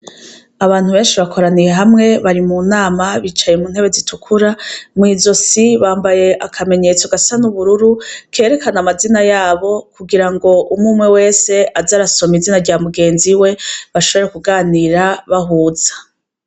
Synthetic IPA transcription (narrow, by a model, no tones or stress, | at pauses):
aβaːn̥huβe̞ːnʃiβakʰo̞ɾanije̞ɦamŋe̞βaɾimunaːmaβit͡ʃajemuːn̥he̞βe̞zitʰukʰuɾamŋiːzo̞siβaːmbaje̞ʔakʰame̞ɲe̞t͡soɡasanuβuɾuɾukʰe̞ːɾe̞kanamazinajaːβo̞kuɡiɾaŋɡo̞ʔumumŋe̞we̞ːse̞ʔazaːɾaso̞mizinaɾɟaːmuɡe̞ːnziwe̞βaʃo̞βo̞ɾekuɡaːniɾaβaɦuːz̥ḁ